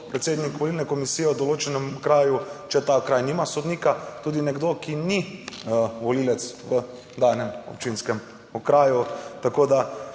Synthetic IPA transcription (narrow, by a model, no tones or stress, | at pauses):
pɾɛt̪seːd̪nikʋɔlilnɛkɔmisiːjɛud̪ɔloːt͡ʃɛnɛmkɾaːjut͡ʃɛt̪aːkɾaːjnimasod̪niːkat̪uːd̪inɛɡd̪okini | ʋɔliːlɛt̪sʋə | d̪aːnɛmɔ̰pt͡ʃinskɛm | ɔkɾaːjut̪akoːd̪a